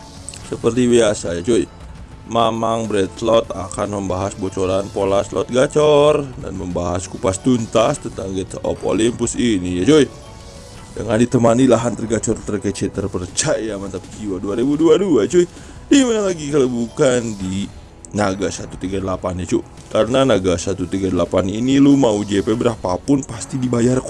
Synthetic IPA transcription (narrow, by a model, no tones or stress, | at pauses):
səpərt̪ibiasajat͡ʃoi | mamaŋbɾɛt̪lɔt̪a̰kanməmbaɦasbot͡ʃoɾanpolaslɔ̰t̪̚ɡat͡ʃɔrda̰nməmbaɦaskupast̪unt̪ast̪ənt̪aŋɡɛt̪ɔ̰po̰limpʊsinijat͡ʃoi | də̰ŋandit̪əmanilaɦant̪ərɡat͡ʃɔrt̪ərkət͡ʃɛt̪ːərpərt͡ʃajamant̪apit͡ʃiwaduaɾibuduaduat͡ʃui | dimanalaɡikalabukandi | naɡasat̪ut̪iɡadəlapanjat͡ʃu | kaɾənanaɡasat̪ut̪iɡadəlapaninilumaud͡ʒepebəɾahpapʊnpast̪idibajark